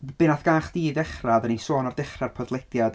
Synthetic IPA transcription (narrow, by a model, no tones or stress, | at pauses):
b̥ɪnaθɡ̥aːχd̥iːdɛχraðəninsoːnɔrdɛχrarpʰɔdlˠɛd̥jad